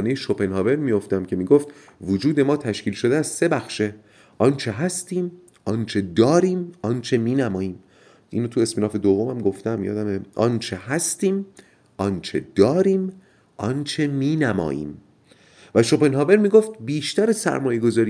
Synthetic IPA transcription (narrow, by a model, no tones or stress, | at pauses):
nejeʃopenhɒːve̞ɾmijo̞ft̪æmcʲʰe̞miːɡoft̪ | vod͡ʒuːd̪e̞mɒːt̪ʰæʃkiːlʃod̪eæz̥se̞bæxʃe̞ | ʔɒːnt͡ʃʰe̞ɦæst̪iːm | ʔɒnt͡ʃʰe̞d̪ɒːɾiːmɒnt͡ʃʰe̞miːnæmɒːjiːm | ʔiːnot̪ʰuesminɒːfe̞d̪ovːomæmɡo̞ft̪æmjɒ̰ːd̪æmeʔɒnt͡ʃʰe̞hæst̪iːm | ʔɒnt͡ʃʰe̞d̪̥ɒːɾiːm | ʔɒnt͡ʃʰe̞miːnæmɒ̰ːjḭːm | væʃope̞nɦɒːve̞ɾmiːɡoft̪̚biːʃt̪æɾesæ̰ɾmɒːje̞ɡo̞zɒːɾi